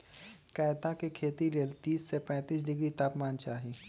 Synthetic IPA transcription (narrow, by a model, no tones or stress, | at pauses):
kɛːjt̪ãkekʰeːt̪iɾeːlt̪iːsːepɛ̃ːt̪iːs̬ɖɪɡɾit̪aːpmaːnt͡ʃaːɦi